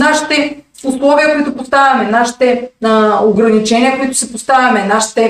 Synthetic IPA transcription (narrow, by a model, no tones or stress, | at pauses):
naʃi̥t̪ɛuslˠɔviɐkoit̪ʊpost̪avʲɐmɛnaʃi̥t̪ɛ | oɡɾɐnit͡ʃɛniɐkoit̪ʊ̥sɛpost̪avʲɐmɛnaʃi̥t̪ɛ